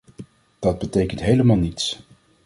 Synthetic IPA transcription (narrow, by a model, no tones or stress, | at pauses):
d̥ɑd̚bətejkəntɦejləmaːlˠnits